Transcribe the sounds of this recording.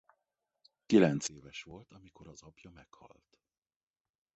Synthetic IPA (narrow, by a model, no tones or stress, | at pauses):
kilɛnt̪seːvɛʃʋo̞lt̪ɒmiko̞ɾɒzɒpjɒmɛkhɒ̰lt̪